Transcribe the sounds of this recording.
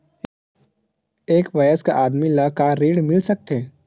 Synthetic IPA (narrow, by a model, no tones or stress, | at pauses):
eːkʋɐjəskaʔaːd̪milakaːɾiːɽmɪlsɐk̚t̪eː